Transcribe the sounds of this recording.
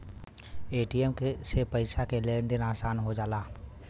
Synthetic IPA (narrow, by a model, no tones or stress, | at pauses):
eːʈiɛmkesepəɪsakelend̪ɪnaːsaːnɦod͡ʒaːlaː